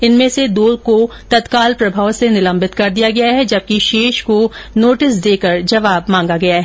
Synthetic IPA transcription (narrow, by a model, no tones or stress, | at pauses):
ɪnmẽsed̪oːlko | t̪ɐt̪kaːlpɾɐbʱaːʋsenɪlɐ̃mbɪt̪kɐɾd̪ijaɡɐjaɦɛd͡ʒɐb̚kiʃeːʃkonoːʈɪsd̪eːkəɾd͡ʒɐʋaːbmãːŋɡaɡɐjaɦɛː